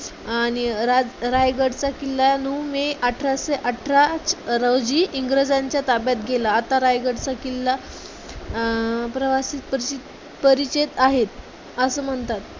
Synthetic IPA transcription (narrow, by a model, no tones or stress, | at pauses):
aɽ̃iɾad͡zɾajɡəɽt͡sakilːanumeʔaʈʰɾaseʔaʈʰɾat͡sɾəwd͡ʑiːʔiŋɡɾəd͡zaɲt͡ɕjat̪abjat̪ɡʱelaːt̪aɾajɡəɽt͡sakilːa | pɾəʋasiːt̪̚pəɾiit̪ | pəɾit͡ɕet̪aɦet̪ | əsəːm̤əɳt̪at̪̚